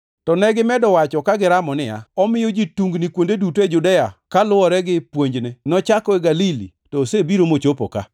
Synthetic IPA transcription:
tɔnɛɡɪmɛdɔwat͡ʃɔkaɡɪɾamɔnɪja̰ɔmɪjɔd͡ʒituŋɡnɪkwondeduted͡ʒʊdɛjakalʊɔɾɛɡɪpwoɲd͡ʒnenɔt͡ʃakɔeɡalilḭ | tɔsebiɾomot͡ʃopo̰ka̰

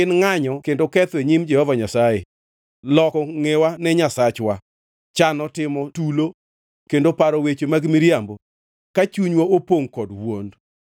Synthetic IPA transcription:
ɪnŋaɲɔkendokɛt̪weɲimd͡ʒɛhɔvaɲasajḛ | lɔkɔŋewanɛɲasat͡ʃwa | t͡ʃanɔtɪmɔtulo | kendopaɾɔwet͡ʃomaɡmiɾjambo | kat͡ʃuɲwaopoŋkɔdwond

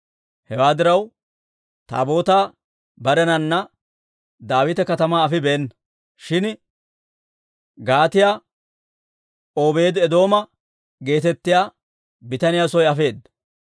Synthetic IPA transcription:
hɛwaːd̪ɪɾɐw | t̪a̰ːbo̞ːt̪aː | bɐɾɛnɐnːɐ | d̪aːwɪt̪ɛkɐt̪ɐmaːɐfɪbeːnːɐ | ʃɪn | ɡaːt̪ɪjaː | oːbe̞ːd̪ɛd̪o̞ːmɐ | ɡe̞ːt̪ɛt̪ːɪjaː | bɪt̪ɐnɪjaːsɔjɐfe̞ːd̪ɐ

